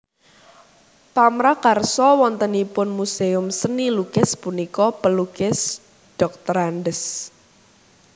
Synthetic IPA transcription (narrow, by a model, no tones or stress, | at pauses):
pamɾakarsɔwɔnt̪ənipʊnmuseʊmsənilukɪspunikɔpəlukɪs | ɖ̥ɔk̚t̪ɔɾanɖəs